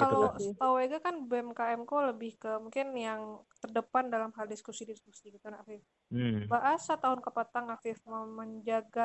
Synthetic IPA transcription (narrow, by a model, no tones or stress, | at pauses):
kalosət̪aweɡakanbɛmkaɛmkoləbɪhkəmuŋkɪnjaŋt̪ərdəpandalamɦaldiskusidiskusikit̪anafɪf | baʔasat̪aɦʊnkəpat̪aŋafɪfməməɲd͡ʒaɡa